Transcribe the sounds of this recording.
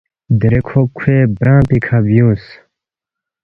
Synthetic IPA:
d̪ɾekʰokʰweːbɾãːt̪ikʰabjũːs

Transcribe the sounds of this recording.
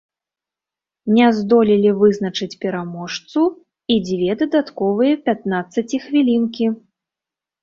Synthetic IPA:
nʲɛzd̪ɔlʲilʲivɨznɐt͡ʂɨt͡sʲpʲɛɾamɔʂt̪su | id͡zʲvʲɛd̪ɐd̪at̪kɔvɨjɐpʲat̪̚nat̪sːɐt͡sʲixvʲilʲinkʲi

